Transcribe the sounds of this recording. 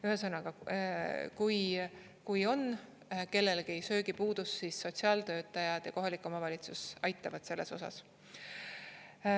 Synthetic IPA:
yɦesɤnɑɡ̥ɑ | kuj | kujo̞n | ke̞lːe̞lɡiejsø̞ːɡipuːd̪̥usːisːo̞t̪siɑːlt̪ø̞ːt̪ːˑɑjɑd̪̥jɑko̞ɦɑlikːˑo̞mɑvɑlʲit̪susɑjt̪ːˑɑvɑd̪̥se̞lːeso̞sɑ̰s

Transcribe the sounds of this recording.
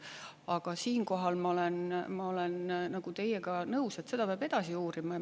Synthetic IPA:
ɑɡ̥ɑsiːnko̞ɦɑlmɑolenmɑo̞lennɑɡ̥ut̪e̞jeɡ̥ɑnɤuse̞t̪ːse̞d̪̥ɑpeɑːb̥e̞d̪̥ɑsiuːɾimɑ

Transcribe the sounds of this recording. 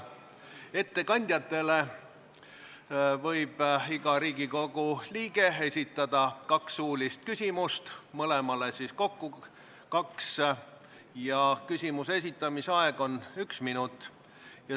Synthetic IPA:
e̞t̪ːe̞kɑnʲd̪̥ʲjɑt̪ːˑe̞le̞ | vɤ̞jb̥iɡ̥ɑɾiːɡiko̞ɡ̥uliːɡe̞e̞sʲit̪ːˑɑd̪̥ɑkɑksuːlʲist̪̚kysʲimust̪mɤle̞mɑle̞sisko̞kːu | kɑks | jɑkysʲimusesit̪ːˑɑmisɑe̞ɡ̥o̞nyksminut̪ːˑ | jɑ

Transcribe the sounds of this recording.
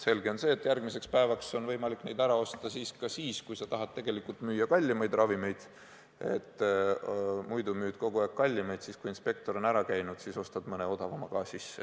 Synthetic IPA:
se̞lɡe̞o̞nse̞ːet̪ːjærɡ̥mise̞kspæevɑkso̞nvɤ̞jmɑlikne̞jd̪æɾɑo̞st̪ɑsiːskɑsiːskujsɑt̪ɑɦɑt̪̚t̪ːe̞ɡ̥e̞likːult̪myːjɑkɑlʲːimejd̪̥rɑvime̞jd̪̥ | e̞̰t̪ːˑ | mujd̪umyːd̪̥ko̞ɡ̥uæˑkkːɑlʲːimejd̪siːskuinspe̞k̚t̪o̞ɾo̞næɾɑkæjnud̪̥siːso̞st̪ɑd̥̪mɤneo̞d̪̥ɑvɑmɑkɑːsisːe

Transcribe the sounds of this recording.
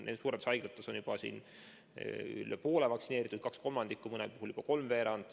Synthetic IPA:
nʔḛd̪suːɾed̪̥sɑjɡ̥lɑt̪ːˑeso̞njub̥ɑsḭːn | y̰lːepo̞ːlevɑktsineːɾit̪ːˑud̪̥̚kɑksko̞lmɑnd̪̥ikːˑumɤnɛ̰puɦuljub̥ɑko̞lmve̞ːɾɑnd̪̥

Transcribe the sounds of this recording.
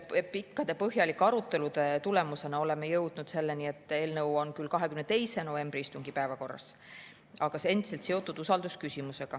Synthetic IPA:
pikːɑd̪̥e̞pɤɦjɑlikːˑɑɾut̪ːˑe̞lud̪̥e̞t̪ule̞muse̞nɑo̞le̞me̞jɤwd̪̥nud̪̥se̞lːe̞nie̞t̪ːˑe̞ːlnɤwo̞nkylkɑɦe̞kymnet̪e̞jse̞no̞ve̞mbriist̪uŋɡipæːvɑko̞rːɑ̰s | ɑɡ̥ɑsee̞nd̪̥ise̞lt̪se̞o̞t̪ːˑud̪̥usɑld̪̥uskysimuse̞ɡ̥ɑ

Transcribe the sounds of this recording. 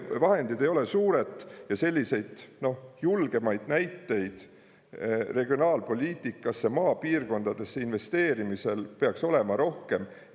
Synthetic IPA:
vɑhe̞nd̪̥id̪e̞jo̞le̞suːɾe̞t̪ˑːjɑse̞lʲːise̞jd̪̥no̞hjulɡ̥e̞mɑjd̪̥næjt̪ːe̞jd̪̥ | re̞ɡio̞nɑːlpo̞lʲiːt̪ːˑikːˑɑsːemɑːpiːrko̞nd̪ɑd̪̥e̞sːeinve̞st̪e̞ːɾimise̞lpe̞ɑkso̞le̞mɑɾo̞hke̞m

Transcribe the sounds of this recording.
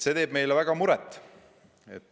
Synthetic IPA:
se̞t̪e̞ːb̥mejlevæɡ̥ɑmuɾɛt̪ːˑ | ḛt̪ː

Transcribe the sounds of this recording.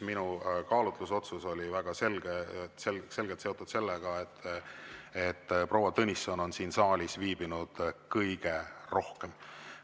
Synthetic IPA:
minukɑːlut̪luso̞t̪suso̞lʲivæɡ̥ɑse̞lɡ̥eselse̞lɡ̥elt̪se̞o̞t̪ːud̪̥se̞lːeɡ̥ɑet̪ː | et̪ːpro̞ːwɑt̪ɤnʲisːono̞nsiːnsɑːlʲisviːb̥inud̪̥kɤjɡ̥e̞ro̞hkem

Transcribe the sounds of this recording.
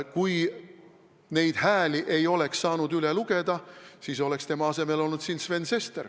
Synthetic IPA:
kuj | ne̞jd̪̥hæːliʔe̞jo̞le̞ksːɑːnud̪yleluɡ̥e̞d̪ɑsiːso̞le̞kst̪e̞mɑɑse̞me̞lo̞lnud̪siːnsve̞nse̞st̪er

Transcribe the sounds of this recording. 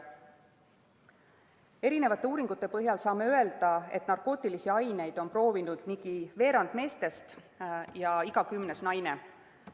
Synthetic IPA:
e̞ɾine̞vɑt̪ːˑe̞uːɾiŋɡ̥ut̪ˑːe̞pɤ̞ɦjɑlsɑːme̞øe̞ld̪̥ɑe̞t̪ːˑnɑrkˑo̞ːt̪ːˑilisiɑjne̞jd̪̥o̞npro̞ːvinud̪̥niɡ̥ive̞ːɾɑnd̪me̞ːst̪e̞st̪ | jɑiɡ̥ɑkymne̞snɑjne̞

